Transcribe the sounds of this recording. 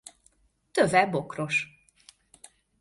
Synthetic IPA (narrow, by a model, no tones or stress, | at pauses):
t̪øvɛbokro̞ʃ